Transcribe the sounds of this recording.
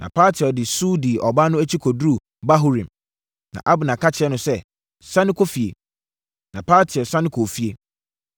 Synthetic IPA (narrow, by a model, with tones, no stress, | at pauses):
nã̰˨pʰaː˦tʰɪ˨ɔ˨dɪ˨suː˦di˨ʔɔ˨ba˦nʊ̃˦æ˦t͡ɕʰi˦kʰɔ˨dɾu˦˨ | ba˦ɦʊ˦ɾĩ˨m | nã̰˨ʔa˦bʊ˨nã˨ka˦t͡ɕʰɪ˨ɛ˦nʊ̃˨sɛ˦˨ | sã˦nɪ̃˦kʰo˦fi˨e˨ | nã˨pʰaː˦tʰɪ˨ɔ˨sã˦nɪ̃˦kʰo˨fi˦e˦